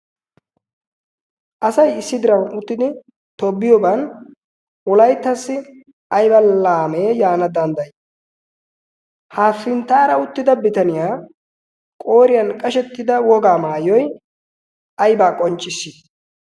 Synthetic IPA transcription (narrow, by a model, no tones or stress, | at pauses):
ʔɐsɐjɪsːɪd̪ɪɾɐwʊt̪ːɪd̪ɪ | t̪ɔbːɪjɔbɐn | wɔlɐjt̪ːɐsːɪ | ʔɐjbɐlaːmeːjaːnɐd̪ɐnd̪ɐj | haːfːɪnt̪ːaːɾɐʊt̪ːɪd̪ɐbɪt̪ɐnɪjaː | kʼo̞ːɾɪjɐnkʼɐʃɛt̪ːɪd̪ɐwɔɡaːmaːjɔj | ɐjbaːkʼɔnt͡ʃʼːɪsːɪ